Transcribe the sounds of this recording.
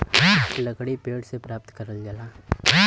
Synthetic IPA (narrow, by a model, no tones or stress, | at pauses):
lɐkɽipeːɽsepɾaːp̚t̪kɐɾəlɡala